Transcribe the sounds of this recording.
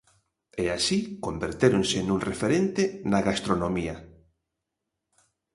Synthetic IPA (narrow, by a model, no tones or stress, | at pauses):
easikombeɾt̪eɾonsenũŋrefeɾent̪enaɣast̪ɾonomia